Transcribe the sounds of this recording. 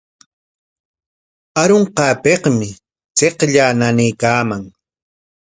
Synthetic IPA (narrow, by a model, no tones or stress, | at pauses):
aɾoɴqɑːpeqmɪ | t͡seqʎaːnanejkaːmaŋ